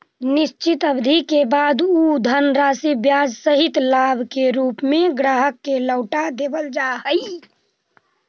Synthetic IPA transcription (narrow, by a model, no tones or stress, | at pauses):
niʃt͡ʃit̪əbd̪ʱikebad̪ud̪ʱənɾasibjad͡ʒsəɦit̪labʱkeɾuːpmeɡɾaːɦəkːeləʊʈad̪ebəld͡ʒaɦəj